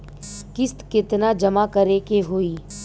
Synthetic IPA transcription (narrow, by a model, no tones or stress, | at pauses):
kɪst̪kɪt̪nad͡ʒɐmakɐɾekeɦoːiː